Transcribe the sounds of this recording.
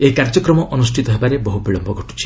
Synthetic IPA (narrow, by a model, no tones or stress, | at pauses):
eikaɾd͡ʒɔkɾɔmɔʔɔnusʈʰit̪ɔɦebaɾebɔɦubiɭɔmbɔɡʱɔʈu̥t͡ʃʰi̥